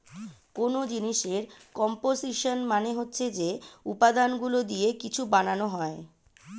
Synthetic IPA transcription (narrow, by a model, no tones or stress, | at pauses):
konod͡ʑiniʃeɾkɔmposiʃonmaneɦotːɕʰed͡ʑeupad̪anɡulod̪iekit͡ɕʰubananoɦɔe